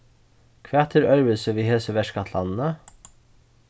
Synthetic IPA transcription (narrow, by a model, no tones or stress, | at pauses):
kʰʋɑt̪ʰəɾœɾʋəlsəʋiːheːsəʋɛʃkɑt̪ʰlɑ̰nn̩ə